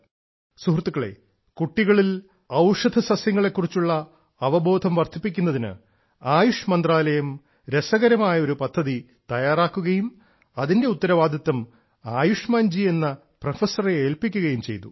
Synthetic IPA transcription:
suhrt̪ːukːɐɭḛ | kuʈːiɣɐɭil | ɐwʂɐd̪ʱɐsɐsjɐŋːɐɭe̞kːurit͡ɕːuɭːɐ | ɐʋɐbo̞ːd̪ʱɐmʋɐrt̪ʰːipːikʲːunːɐðinɨ̰ | aːjuʂmɐnd̪raːlɐjɐm | ɾe̞sɐɣɐɾɐmaːjɐo̞ɾupɐd̪ʱːɐði | t̪ɐjaːraːkːuɣɐjum | ɐðinde̞ut̪ːɐɾɐʋaːd̪ʱɐt̪ːɐm | aːjuʂmaːnd͡ʑie̞nːɐ | prɐfɐsɐreeːlpikʲːuɣɐjumt͡ɕe̞̰jt̪u

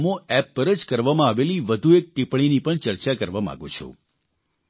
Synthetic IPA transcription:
mõɛpːəɾəd͡ʒkəɾʋamãaʋeliʋəd̪ʱuek̚ʈipɳ̃inipəɳt͡ʃəɾt͡ʃakəɾʋamã̰ɡũt͡ʃʰṵ

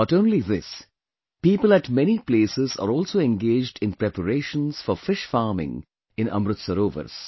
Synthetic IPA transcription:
bʌʈõːnliðɪs | piːpəlæʈmɛnipleːsɪza̰ːɾɔːlsoːɛ̃nɡeːd͡ʒɖɪ̃npɾɛpəɾeːʃə̃nsfɔɾfɪʃfaːɾmɪ̰̃ŋ | ɪ̃nʌ̰̃mɾɨt̪səɾoːʋə̰ɾs

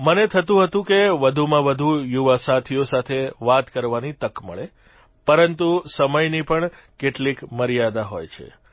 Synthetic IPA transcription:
mənet̪ʰət̪ũɦət̪ũkeʋəd̪ʱumãʋəd̪ʱujuʋasat̪ʰijosat̪ʰeʋat̪kəɾʋanit̪əkməɭe | pəɾənt̪usəməjnipəɳ | keʈlikməɾijad̪aɦojt͡ʃʰḛ

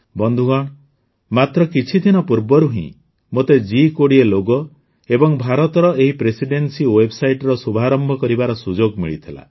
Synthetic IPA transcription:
bɔnd̪ʱuɡɔɽ̃ | mat̪ɾɔkit͡ʃʰid̪ʱinɔpuɾbɔɾuɦḭ̃ | mot̪ed͡ʒikoɽieloɡɔ | ebɔŋbʱaɾɔt̪ɔɾɔʔeɦipɾesiɖensiwebsajʈɔɾɔsubʱaɾɔmbʱɔkɔɾibaɾɔsud͡ʒoɡmḭɭit̪ʰila̰

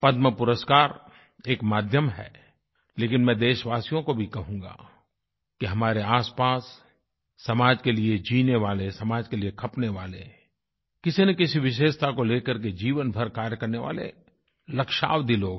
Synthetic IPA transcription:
pɐd̪məpʊɾəskaːɾ | eːkmaːd̪ʱjəmɦɛ̰ː | leːkɪnmɛ̃ːd̪eːʃʋaːsijõkobʱikɐɦũːŋɡa̰ː | kiɦɐmaːɾeaːspaːsː | ɐmaːd͡ʒkelied͡ʒiːneʋaːlesɐmaːd͡ʒkeliekʰɐpneʋaːlḛ | kɪsinɐkɪsiʋɪʃ̬eːʃt̪ʰakoleːkəɾk̬ed͡ʒiːʋənbʱɐɾkaːɾjəkɐɾneʋa̰ːlḛ | lɐkʃa̰ːʋd̪iloːɡ

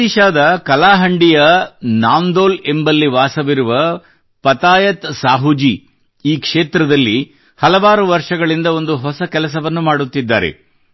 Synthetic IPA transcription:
iʃaːd̪ɐkɐlaːɦɐɳɖijɐnaːnd̪oːlembɐlːiʋaːsɐʋiɾuʋɐ | pɐt̪aːjɐt̪saːɦud͡ʒi | iːkʂeːt̪ɾɐd̪ɐlːi | hɐlɐʋaːɾuʋɐɾʂɐɡɐɭind̪ɐo̞nd̪uɦɔsɐkɛlɐs̬ɐʋɐnːumaːɽut̪ːid̪ːa̰ːɾḛ

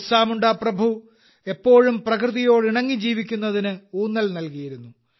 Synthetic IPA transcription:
saːmuɳɖaːprɐbʱu | e̞pːo̞ːɻumprɐkrɨðijo̞ːɽiɳɐŋːid͡ʑiːʋikʲːunːɐðinɨuːnːɐlnɐlkijiɾunːu

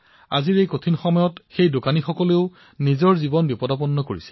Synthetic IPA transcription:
a̰ziɹejkotʰinxɔmɔjɔtxejdokanixɔkɔleʊ | nizɔɹzibɔnbipɔdapɔnːɔko̰ɹisɛ

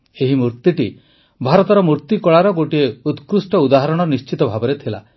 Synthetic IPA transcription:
eɦimuɾt̪iʈi | bʱaɾɔt̪ɔɾɔmuɾt̪ikɔɭaɾɔɡoʈieut̪kɾusʈɔud̪aɦaɾɔɽ̃ɔnist͡ʃit̪ɔbʱabɔɾet̪ʰila̰

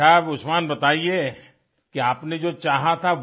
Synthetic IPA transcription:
aːbʊsmaːnbɐt̪aːie | kiaːpned͡ʒoːt͡ʃaːɦat̪ʰaʋ

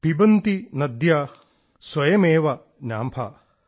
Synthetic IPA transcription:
pibɐnt̪inɐd̪jaː | swɐjɐmeːʋɐ | njaːmpʰa̰ː

